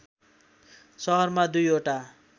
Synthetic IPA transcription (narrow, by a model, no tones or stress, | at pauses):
sʌɦʌrmad̪ujoʈa